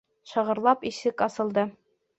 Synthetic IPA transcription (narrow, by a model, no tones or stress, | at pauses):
ʃɤ̆ʁɤ̆ɾlˠɑpisɘkɒsɤ̆lˠd̪ɤ